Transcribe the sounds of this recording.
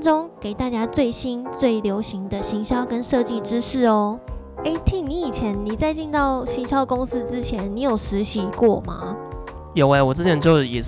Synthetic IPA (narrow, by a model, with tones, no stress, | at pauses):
ʈ͡ʂʊ˥ŋke˨˩ɪt̪a˥˧t͡ɕja˥t͡swe˥˩ɪɕi˥nt͡swe˥˩ɪljo˧˥ʊɕi˧˥ŋd̪ə˧ɕi˧˥ŋɕjɑ˥ʊkə˥nʂɤ˥˧t͡ɕi˥˧ʈ͡ʂɻ̩˥ʂɻ̩˥˩ɔ˧˦ | e˥˩ɪt̪ʰi˥˩ŋni˧˥i˨˩t͡ɕʰjɛ˧˦˥nni˨˩t͡sa˥˧ɪt͡ɕi˥˧nt̪ɑ˥˩ʊɕi˧˥ŋɕjɑ˥ʊkʊ˥ŋs̩˥ʈ͡ʂɻ̩˦˥t͡ɕʰjɛ˧˦nni˧˥jo˨˩ʊʂɻ̩˧˥ɕi˧˥kwɔ˥˩ma̰˩ | jo˨˩ʊe˧˩wɔ˨˩ʈ͡ʂɻ̩˥t͡ɕʰjɛ˧˥nt͡ɕjo˥˧ʊ˧˩jɛ˨˩